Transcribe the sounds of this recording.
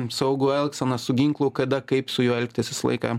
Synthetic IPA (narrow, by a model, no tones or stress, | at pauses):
sɐʊɡuːɛlˠksɐnɐsʊɡʲɪŋklˠʊkɐd̪ɐkɐɪpsʊjuːɛlʲkʲt̪ʲɪsʲɪslˠɐ̰ɪkɑː